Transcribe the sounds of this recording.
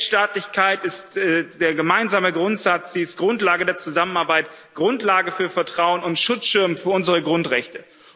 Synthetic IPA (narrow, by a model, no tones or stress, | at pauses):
ʃtaːtlɪçkʰaɪtɪstɛd̥eːɐɡəmaɪnzaːməɡʁʊntz̥at͡sz̥iːɪst̚ɡ̥ʁʊntlaːɡədeːɐt͡suzamənaɐbaɪt | ɡ̥ʁʊntlaːɡəfyːɐfɛɐtʁ̥aʊənʊntʃʊt͡sʃɪɐmfyːɐʔʊnzəʁəɡʁʊntʁɛçtə